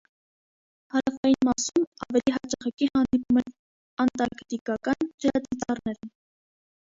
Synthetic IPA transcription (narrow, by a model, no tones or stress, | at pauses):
hɑɾɑfɑjinmɑsumɑvɛliɦɑt͡ʃɑχɛkihɑnd̪ipumɛn | ɑnt̪ɑɾkt̪ikɑkɑnd͡ʒəɾɑd̪it̪ɑɾnɛɾə